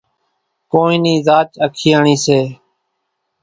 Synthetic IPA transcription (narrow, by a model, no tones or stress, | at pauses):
koːĩːniːzaːt͡ʃəkʰɪjaːɳiːseː